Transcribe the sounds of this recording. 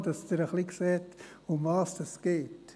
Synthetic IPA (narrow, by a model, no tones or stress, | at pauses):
dɑsdɪɾəχliksɛːt | ʊmvɑːsd̥ɑsɡ̥eːt